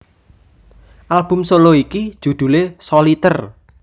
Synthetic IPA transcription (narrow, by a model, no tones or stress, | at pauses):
ʔalb̥ʊ̤msoloikid̥ʒ̥ṳd̪̥ṳlesɔlit̪ər